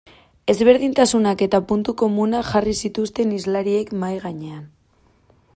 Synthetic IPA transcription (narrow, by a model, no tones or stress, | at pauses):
e̞zβe̞ɾð̞int̪asunake̞t̪apunt̪uko̞munaʝarisit̪ust̪e̞nizlaɾie̞kmajɣaɲe̞an